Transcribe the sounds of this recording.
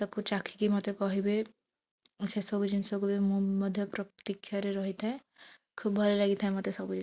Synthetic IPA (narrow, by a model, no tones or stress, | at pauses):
t̪ɔkʰut͡ʃakʰi̥kimɔt̪ekɔɦibe | sesɔbud͡ʒinsɔbubimmɔd̪ʱjɔpɾɔt̪ikʰːjaɾeɾɔɦit̪ɛ | kʰubbʱɔɾelaɡit̪ʰɦɛmɔt̪esɔbud͡ʒi